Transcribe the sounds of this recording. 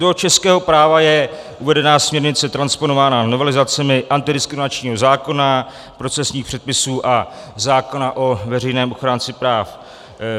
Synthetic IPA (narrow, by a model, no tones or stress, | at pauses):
dot͡ʃɛskɛːɦo̞pɾaːvajɛ | ʔuvɛdɛnaːsmɲɛɾɲɪt͡sɛt̪ɾanspo̞novaːnano̞vɛlɪzat͡sɛmɪʔant̪ɪdɪskɾɪmɪnat͡ʃɲiːɦo̞zaːko̞na | pɾo̞t͡sɛsɲiːxpr̥ɛt̪̚pɪsuːʔa | zaːko̞naʔo̞vɛrɛjnɛːmo̞xɾaːnt͡sɪpɾaːf